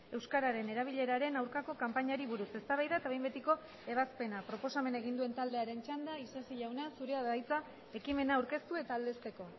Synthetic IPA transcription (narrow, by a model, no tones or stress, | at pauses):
e̞wskaɾaɾe̞ne̞ɾaβ̞iʎe̞ɾaɾe̞nawɾkako̞kampaɲaɾiβuɾuse̞st̪aβajðaet̪aβe̞jmbe̞t̪iko̞ | e̞β̞aspe̞napɾo̞po̞same̞neɣ̞ind̪ue̞nt̪ald̪e̞aɾe̞nt͡ʃand̪aisesiʎawnasuɾe̞aðajt͡sa | e̞kime̞naːwɾke̞st̪ue̞t̪aːld̪e̞st̪e̞ko̞